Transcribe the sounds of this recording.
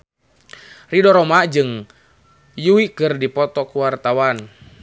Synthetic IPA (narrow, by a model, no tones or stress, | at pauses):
ridɔɾɔmad͡ʒɨŋ | juwikɨrdipɔt̪ɔkuwart̪awan